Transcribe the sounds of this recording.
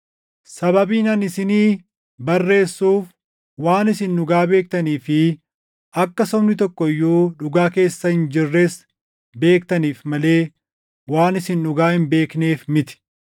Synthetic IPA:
sɐbɐbiːnɐnɪsɪniː | bɐrːe̞ːsːuːf | waːnɪsɪnːʊɡaːbe̞ːk̚t̪ɐniːfɪ | ʔɐkːɐsɔmnɪt̪ɔkːɔɪjːuːᶑʊɡaːke̞ːsːɐhɪnd͡ʒɪrːeːs | be̞ːk̚t̪ɐniːfmɐle̞ː | waːnɪsɪnᶑʊɡaːhɪmbe̞ːkne̞ːfmɪt̪ɪ̥

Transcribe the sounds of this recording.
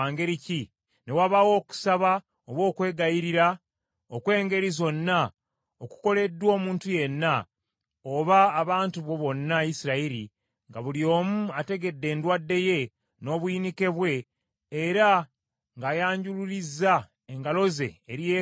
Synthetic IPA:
aŋɡe̞ɾici | ne̞waβawo̞ːku̥saβa | oβwo̞ːkwe̞ːɡajiɾiɾa | okwe̞ːŋɡe̞ɾizo̞nːa | oku̥ko̞le̞dːwo̞ːmuːntuje̞nːa | o̞βaːβaːntuβwo̞βo̞nːaisiɾaiɾḭ | ŋɡaβuljo̞ːmuate̞ɡe̞dːe̞ːndwadːe̞je̞ | no̞βwinike̞βwe̞ː | ɾa | ŋɡaːjaːɲɟuluɾizːa | eŋɡalo̞ze̞̰ːɾije

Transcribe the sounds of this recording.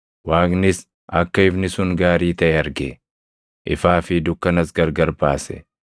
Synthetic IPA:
waːknɪs | ɐkːɐɪbnɪsʊŋɡaːɾiːt̪ɐʔɛɐɾɡe | ʔɪfaːfɪd̪ʊkːɐnɐsɡɐɾɡɐɾbaːsɛ̰

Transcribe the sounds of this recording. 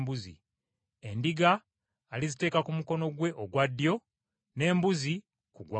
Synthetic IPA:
buzḭ | e̞ndiɡaː | lizite̞ːkakumuko̞no̞ɡwe̞ʔoɡwadːjo̞ | ne̞ːmbuzi | kuɡwa

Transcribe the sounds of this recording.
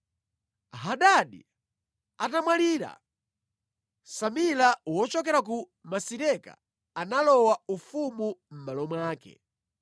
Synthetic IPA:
ɦaɗaɗḭ | atamwaliːɾa̰ | samilawɔt͡ʃɔkɛɾak̬u | masiɾɛka̰ | analɔwaufumum̩malɔmwaːkɛ̰

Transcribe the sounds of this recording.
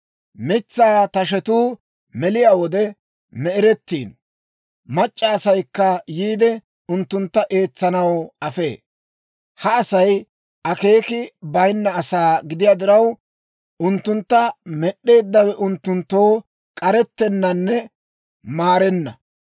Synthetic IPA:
mɪt͡sːaːt̪ɐʃ̬ɛt̪uː | mɛlɪjaːwɔd̪ɛ | mɛɛɾɛt̪ːiːn | mɐt͡ʃʼːɐːsɐjkːɐjiːd̪ɛ | ʊnt̪ːʊnt̪ːɐʔe̞ːt͡sːɐnɐwɐfe̞̰ː | hɐːsɐj | ʔɐke̞ːkɪbɐjnːɐːsaːɡɪd̪ɪjaːd̪ɪɾɐw | ʊnt̪ːʊnt̪ːɐmɛɗːe̞ːd̪ːɐwɛʔʊnt̪ːʊnt̪ːo̞ː | kʼɐɾɛt̪ːɛnːɐnːɛ | maːɾɛnːɐ

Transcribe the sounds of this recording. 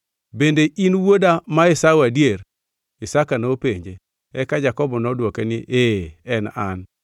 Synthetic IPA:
bendeʔinwodamaɪsawadjeɾ | ɪsakanopeɲd͡ʒe | ɛkad͡ʒakɔbɔnɔdwokenɪ̰ʔeɛna̰n

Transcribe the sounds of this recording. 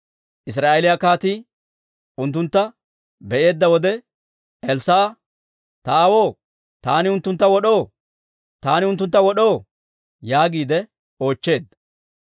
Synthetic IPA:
ʔɪs̬ɾaːʔɛlɪjakaːt̪i | ʊnt̪̬ːʊnt̪ːɐ | bɛʔe̞ːd̪ːɐwɔd̪ɛ | ɛlsaː | t̪ɐːwo̞ː | t̪aːnɪʊnt̪ːʊnt̪ːɐwɔɗo̞ː | t̪aːnɪʊnt̪ːʊnt̪ːɐwɔɗo̞ː | jaːɡiːd̪ɛ | o̞ːt͡ʃːe̞ːd̪ːɐ

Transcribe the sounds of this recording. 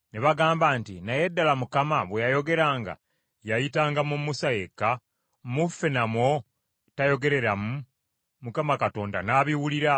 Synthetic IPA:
neβaɡaːmbaːntinaje̞dːalamukamaβwejajo̞ɡe̞ɾaːŋɡa̰ | jajitaːŋɡamumusajekːa | mufːenamwo̞ | tajo̞ɡe̞ɾe̞ɾamu | mukamakato̞ːnda̰naːβiwuliɾa

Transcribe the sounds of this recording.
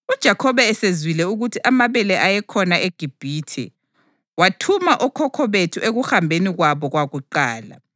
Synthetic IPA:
ud̥ʒ̥ʱakʰɔβɛɛsezwilɛuɣutʰiʔamaβɛlɛʔajɛkʰɔnaʔeɡ̥ʱib̥ʱiːtʰɛ̰ | watʰumaʔɔkʰɔkʰɔβetʰuʔeɣuxambʱeniɣwaβɔɣwaɣuǃaːla̰

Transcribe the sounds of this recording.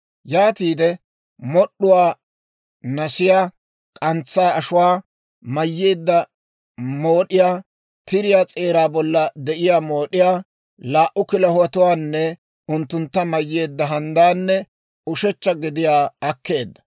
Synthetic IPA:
jaːt̪iːd̪ɛ | mɔɗːʊwaː | nɐsɪjaː | kʼɐnt͡sːaːɐʃʊwaː | mɐjːeːd̪ːɐ | mo̞ːɗɪjaː | t̪ɪɾɪjaːt͡sʼe̞ːɾaːbɔlːɐd̪ɛʔɪjaːmo̞ːɗɪjaː | laːʔʊkɪlɐhwɐt̪ʊwaːnːɛ | ʊnt̪ːʊnt̪ːɐmɐjːe̞ːd̪ːɐɦɐnd̪aːnːɛ | ʊʃɛt͡ʃːɐɡɪd̪ɪjaːɐkːe̞ːd̪ːɐ̥

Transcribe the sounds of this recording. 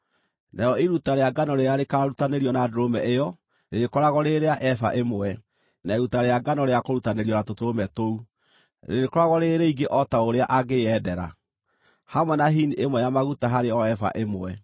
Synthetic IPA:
nʔajɔiɾutaɾeaɡanɔɾeaɾekaɾutaneɾiɔnadoɾomɛʔejɔ | ɾeɾekɔɾaɣɔɾeɾeaʔɛfa̰ʔemwɛ | naeɾutaɾeaɡanɔɾeakoɾutaneɾiɔnatotoɾomɛtou | ɾeɾekɔɾaɣɔɾeːɾeiɡeʔɔtaoɾeaʔaɣeɛdɛɾa̰ | hamwɛnaɦiniemwɛjamaɣutaɦaɾeɔɛfa̰ʔemwɛ

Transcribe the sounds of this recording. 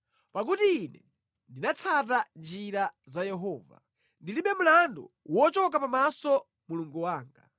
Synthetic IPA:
pak̬utiːnɛ | ndinat͡sʰatand͡ʒiɾazajɛɦɔːva̰ | ndiliɓɛm̩landɔ̰wɔt͡ʃɔk̬apamasɔ | muluŋɡuwaːŋɡa̰

